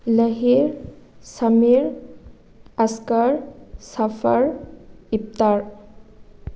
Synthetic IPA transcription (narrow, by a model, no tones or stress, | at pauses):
ləɦiɾsəmiɾ | əskəɾsəfʰəɾip̚t̪aɾ